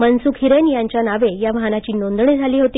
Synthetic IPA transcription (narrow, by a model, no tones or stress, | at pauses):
mənsukʰiɾenjaɲt͡ɕjanaʋejaʋaɦnat͡ɕiːnond̪ɳiːd͡zʱaliːɦot̪iː